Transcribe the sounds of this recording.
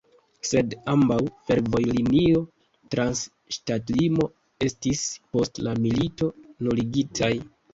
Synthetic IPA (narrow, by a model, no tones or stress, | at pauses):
se̞dambawfe̞ɾvo̞jlinio̞ | tɾans | ʃtatlimo̞ | e̞stispo̞stlamilito̞nuliɡitʰaj